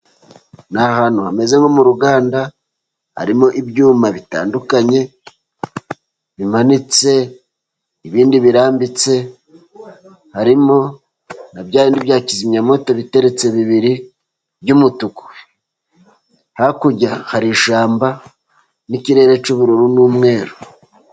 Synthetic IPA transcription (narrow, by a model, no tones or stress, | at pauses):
nahanohame̞ze̞ŋɡomuɾuɡaːnda | ha̰ɾimo̞ʔibjuːmaβita̰ːndukaɲe̞ | βimanit͡se̞ | iβiːndiβiɾaːmbit͡se̞ | haɾimo̞ | nabjaːɾiːndiβjaːcizimɲamo̞to̞βite̞ɾe̞t͡se̞βiβiɾi | bjumutuku̥ | hakuɟahaɾiʃaːmba | niciɾe̞ːɾe̞t͡ʃuβuɾuɾunuːmŋe̞ːɾo